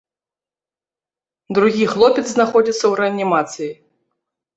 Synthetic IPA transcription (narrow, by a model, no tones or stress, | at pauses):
d̪ɾuɣʲixlˠɔpʲɛt̪znaxɔd͡zʲit̪sːɐwɾɛɐnʲimat̪sɨji